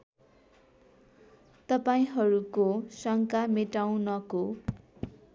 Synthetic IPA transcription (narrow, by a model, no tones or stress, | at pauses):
t̪ʌpaĩɦʌɾukosʌŋkameʈaw̃nʌko